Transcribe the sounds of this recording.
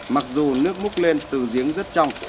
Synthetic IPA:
ma˨˩k̚zu˨˩nɨ˦˥ək̚mʊ˦˥k̚le˧nt̪ɨ˨˩zi˨˦əŋzə˦˥t̚t͡ɕɔ˧wŋ͡m

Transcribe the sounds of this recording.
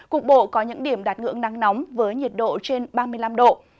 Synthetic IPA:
kʊ˨˩k̚ɓo̰˧˨kɔ˨˦ɲɨ̰˧˥ŋɗi˧˩əmɗaː˨˩t̚ŋɨ̰˧˥əŋna˧ŋnɔ˨˦wŋ͡mvəː˨˦jɲi˨˩ət̚ɗo̰˧˨t͡ɕe˧nɓaː˧mɨ˧əjla˧mɗo̰˧˨

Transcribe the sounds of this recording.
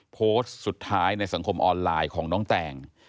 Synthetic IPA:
pʰoː˦˥ssu˨˩t̪ʰːaː˦˥jna˧jsa˩˦ŋkʰo˧mʔɔː˧nlaː˧jkʰɔː˩˦ŋnɔː˦˥ŋt̪ɛː˨˩ŋ

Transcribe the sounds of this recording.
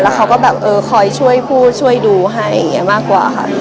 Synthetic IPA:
lɛː˦˥wkʰa˦wkɔː˥˩bɛː˨˩p̚ʔɤː˧kʰɔː˧jt͡ɕʰu˥˩əjpʰuː˥˩t̪̚t͡ɕʰu˥˩əjduː˧ɦa˥˩j̰a̰˨˩ŋːi˦˥ɐmaː˥˩kwa̰ː˨˩xʰa̰˥˩

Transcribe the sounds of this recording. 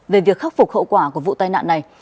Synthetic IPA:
ve˨˩vi˨˩ək̚xa˦˥k̚fʊ˨˩hə̰˧˨wkwaː˧˩ku˧˩əvṵ˧˨t̪aː˧jna̰ː˧˨nːa˨˩j

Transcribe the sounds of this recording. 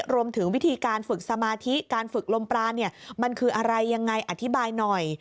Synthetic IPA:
ɾu˧əmt̪ʰɯ˩˦ŋwi˦˥t̪ʰiː˧kaː˧nfɯ˨˩k̚sa˧maː˧t̪ʰi˦˥kaː˧nfɯ˨˩k̚lo˧mpɾaː˧nːi˥˩ɐma˧nkʰɯː˧ʔa˧ɾa˧jːa˧ŋːa˧jʔa˨t̪ʰːi˦˥baː˧jnɔ˨˩j

